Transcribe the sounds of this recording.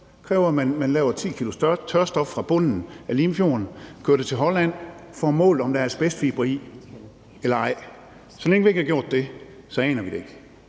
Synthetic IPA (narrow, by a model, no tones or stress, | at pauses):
kʰʁɛːʊɐmænmænlɛ̰ːʊɐt͡sʰḭːkʰilusɐt͡sʰɶɐsd̥ɒ̽fːʁɑ̈b̥ɔ̽n̰n̩æliːmfjo̝ɐnkʰøɐd̥et͡sʰe̝lɦɒ̽læn̰fɒmɔ̰̽ːld̥ɒ̽md̥ɑæɐsb̥esd̥fib̥ʁḭː | elɐɑ̈ɪ̰ | sɒ̽leŋəʋie̝ɡ̥hɑɡjo̝̰ɐ̰d̥ːe̝ | sɒ̽ɛ̰ːnɐʋiɾe̝e̝ɡ̥